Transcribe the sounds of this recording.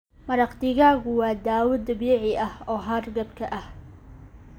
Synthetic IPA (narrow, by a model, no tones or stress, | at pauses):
mɐɾɐqt̪ɪɣaːɣʊwɑːd̪aːwʊd̪ɐbɛːʕɪʔɐhɔːɦaːrɡɐbkʰɐʔɐh